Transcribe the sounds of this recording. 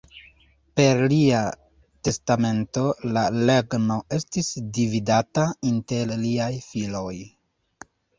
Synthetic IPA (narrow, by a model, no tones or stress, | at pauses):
pe̞ɾlia | te̞stame̞nto̞lale̞ɡno̞e̞stisdividatainte̞lliajfilo̞j